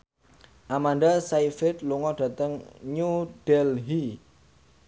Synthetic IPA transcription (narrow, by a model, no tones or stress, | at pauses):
ʔamanɖasaifɪt̪̚luŋɔɖ̥ä̤t̪əŋɲud̥ɛlɦi